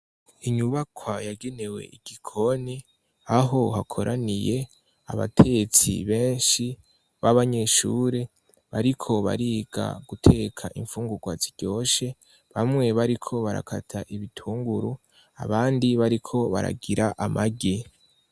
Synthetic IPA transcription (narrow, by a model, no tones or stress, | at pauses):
iɲuβakʰwajaɡe̞ne̞we̞̰iɡ̥ikʰo̞ni | aɦo̞hakʰo̞ɾʔanije̞ | a̰βa̰tʰe̞ɡet͡sḭβe̞ːnʃi | βaβaɲe̞ʃuːɾe | βaɾikʰo̞βa̰ɾiːɡ̥a̰ɡutʰe̞ːkʰa̰ʔiɱfuːŋɡuɡwa̰ziɟ̥o̞ːʃe̞ | βamŋe̞βaɾikʰo̞βaɾa̰kʰa̰tʰaʔiβitʰuːŋɡuɾu | a̰βaːndiβaɾikʰo̞βa̰ɾa̰ɡiɾaʔamʔaɡe